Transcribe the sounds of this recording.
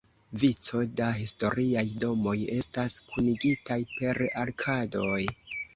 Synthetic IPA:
vit͡so̞daɦisto̞ɾiajdo̞mo̞je̞staskʰuniɡitajpe̞ɾaɾkʰado̞j

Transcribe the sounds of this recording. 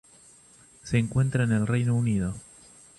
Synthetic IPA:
seːŋkwe̞nt̪ɾaene̞lrejnounið̞o

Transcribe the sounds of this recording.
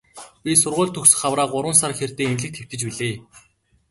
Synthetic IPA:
pʲisʊrʁʊːɮt̪ʰɵksɵ̥̆χawraːqʊɾwə̆nsarxert̪eːinɮɘ̆k̚t̪xĕw̥t̪ɘ̆t͡ɕpiɮeː

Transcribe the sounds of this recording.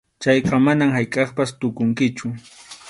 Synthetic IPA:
t͡ʃɑjqɑmanamhajkʼɑχpast̪ʊkʊŋkɪt͡ʃʊ

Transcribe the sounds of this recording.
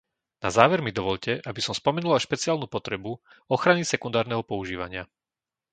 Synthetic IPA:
na̰zaːʋɛɾmid̪ɔʋɔʎcɛʔabisɔmspɔmɛnulaʃpɛt͡siaːlnuːpɔt̪ɾɛbu | ɔxɾanisɛkund̪aːɾnɛɦɔpɔuʒiːʋa̰ɲɪa

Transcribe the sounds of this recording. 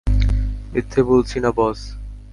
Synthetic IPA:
mit̪ʰːebolt͡ɕʰinabɔs

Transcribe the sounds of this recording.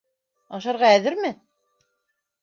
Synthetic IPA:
ɑʃɑɾʁɑæðɘɾmɘ

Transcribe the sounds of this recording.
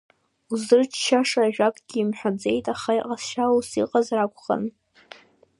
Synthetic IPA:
uzɨrt͡ʃʰʃaʂaʒᶣakʷʼɡʲiːmħʷad͡ze̞jtʼaχajqʼasʃausiqʼazrakʷʰʼχa̰n

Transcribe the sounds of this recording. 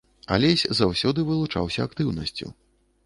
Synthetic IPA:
a̰lʲɛsʲzawsʲɔd̪ɨvɨlˠut͡ʂa̰wsʲɐːk̚t̪ɨwnɐsʲt͡sʲṵ

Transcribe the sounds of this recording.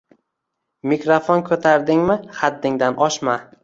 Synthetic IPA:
mɪkɾofonkʰɵt̪ʰaɾd̪ɪŋmɪχad̪ːɪŋd̪anʔɒʃma

